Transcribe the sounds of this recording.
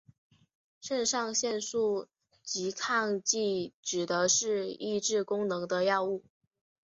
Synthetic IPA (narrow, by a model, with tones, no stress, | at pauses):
ʂə˥˧nʂɑ˥˧ŋɕjɛ˥˧nsu˥˩ | t͡ɕi˧˥kʰɑ˥˧ŋt͡ɕi˥˩ʈ͡ʂɻ̩˨˩d̪ə˦ʂɻ̩˥˧i˥˧ʈ͡ʂɻ̩˥˩kʊ˥ŋnɤ˧˥ŋd̪ə˧jɑ˥˧ʊu˥˩